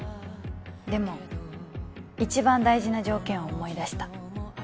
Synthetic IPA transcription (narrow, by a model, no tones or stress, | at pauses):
d̪e̞mo̞ | it͡ɕibãnd̪aiʑinaʑo̞ːkẽ̞ɰ̃oːmo̞id̪aɕi̥t̪ḁ